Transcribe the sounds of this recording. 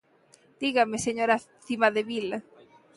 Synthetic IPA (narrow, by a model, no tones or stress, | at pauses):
d̪̥iɣameseɲoɾa | θimaðeβila